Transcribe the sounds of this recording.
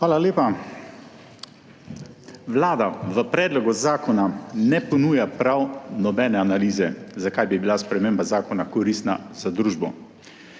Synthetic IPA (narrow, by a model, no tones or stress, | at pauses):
xʋaːlaleːpa | ʋlaːd̪aʋəpɾɛːd̪lɔɡuzaːkɔnanɛpɔnuːjapɾawnɔbɛːnɛanaliːzɛzakaːjbibilaspɾɛmeːmbazaːkɔnakɔɾiːst̪na̰z̥ad̪ɾuːʒbɔ